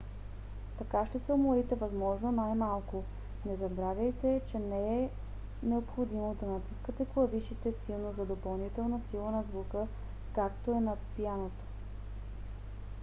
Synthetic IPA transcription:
t̪ɐkaʃt̪ɛsɛʊmoɾit̪ɛvɐzmɔʒnonajmalˠkʊ | nɛzɐbɾavʲɐjt̪ɛt͡ʃɛnɛɛ | nɛopxod̪imod̪ɐnɐt̪uskət̪ɛklˠɐviʃit̪ɛsilˠnozɐd̪opɐlˠnit̪ɛlˠnɐsilˠənɐzvukə | kakt̪oɛnɐpijanot̪o̥

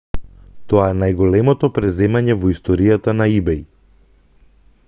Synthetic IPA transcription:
t̪ɔaɛnajɡɔlɛmɔt̪ɔpɾɛzɛmaɲɛvɔist̪ɔɾijat̪anaibɛji

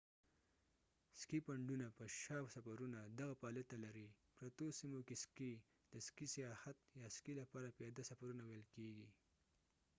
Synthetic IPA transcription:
skipaɳɖunapəʃɑwsafaɾunad̪aɣapɑlet̪alaɾipɾat̪osimokeski | d̪̥əskisijɑxat̪̚jɑskilapɑɾapjɑd̪asafaɾunawejlkeɡi

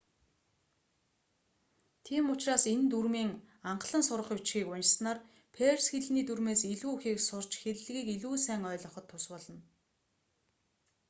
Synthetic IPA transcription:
t̪ʰiːmʊt͡ɕraːsent̪urmiːŋ | aɴqɮə̆nsʊɾə̆χʊt͡ɕxiːkʊnʲt͡ɕsnaːr | pʰersxeɮniːt̪urmeːsiɮuːuxiːksʊr̥t͡ɕxeɾ̆ɮɣiːkiɮuːsæːŋœːɮɞ̆χɞ̆t̪ʰːʊspɔɮɞ̆n

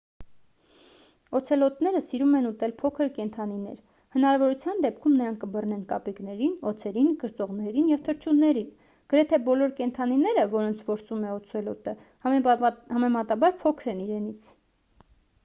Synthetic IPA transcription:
ɔt͡sʰɛlɔt̪nɛɾəsiɾumɛnut̪ɛlpʰɔkʰəɾkɛnt̪ʰɑn̪inɛ̰ɾ | hənɑɾɑvɔɾut͡sʰjɑnd̪ɛp̚kʰumnəɾɑŋkʰkəbərnɛnkɑpiknɛɾinɔt͡sʰɛɾinkəɾt͡sɔʁnɛɾinjɛvt̪ʰəɾt͡ʃʰunːɛɾin | ɡ̥əɾɛt̪ʰɛbɔlɔɾkɛnt̪ʰɑninɛɾəvɔɾɔnt͡sʰvɔɾsumɛɔt͡sʰɛlɔt̪ə | hɑmɛmɑt̪ɑbɑɾpʰɔkʰɾɛniɾɛnit͡sʰ

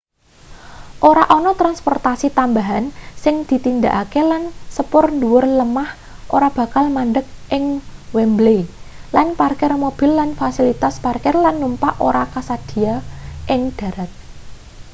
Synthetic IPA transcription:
ʔoɾaʔɔnɔt̪ɾanspɔrt̪asit̪ambaɦansɪŋd̪̥i̤t̪ind̪a̤ʔakelansəpʊrnduwʊrləmah | ʔoɾab̥ä̤kalmanɖək̚ʔɪŋwɛmblelanparkɪrmob̥ɪ̤lːanfasilit̪asparkɪrlanːumpaʔo̰ɾakasad̪̥i̤aʔɪŋd̪̥a̤ɾat̪̚

